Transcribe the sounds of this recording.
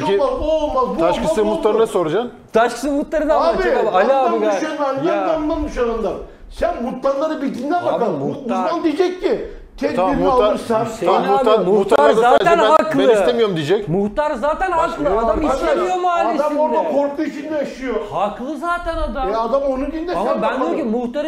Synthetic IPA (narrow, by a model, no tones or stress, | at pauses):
imazolˠmazbuaʃkʰɯɯmutt̪lˠaɾɯɯnasoɾad͡ʒan | t̪ʰaʃkʰɯ̥sɯmut̪lˠaɾɯnabaaalʲaabiɡananɡjaannːˠanmuʃaɾand̪ˠaɾ | sænmut̪lanlˠaɾɯbilt̪ʰind̪ænbakauand̪ijd͡ʒɛkːi | t̪ʰeaimualɯɾsanʃeauanmuut̪ːaaaaːɛnɦaklˠɯist̪emijoɾumd̪id͡ʒɛcmuht̪aɾzaːt̪ʰænhaklˠɯad̪amist̪emijomuaːlʲisamoɾd̪akʰoɾk̪ˠuit͡ʃʰind̪ɛaʃɯjohaklˠɯzaːt̪ʰænad̪aɛad̪amonunɡind̪ɛamabænd̪okimuht̪aɾ